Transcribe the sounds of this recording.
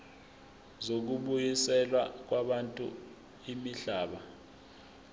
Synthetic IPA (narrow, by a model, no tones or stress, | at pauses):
zok̬uɓujisɛlwak̬waɓantʼṵ | imiɬaːɓa